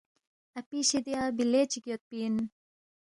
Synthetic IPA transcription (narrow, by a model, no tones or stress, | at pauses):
ɐpiɕid̪jaːbilet͡ʃikijot̪̚pin